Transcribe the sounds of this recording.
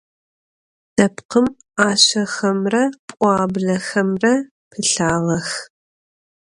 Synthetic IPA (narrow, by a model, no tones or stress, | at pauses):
d̥ɐpqəm | aːɕɐxɐmrɐpʷʼɑːbɮɐxɐmrɐ | pʰɨɬaːʁɐx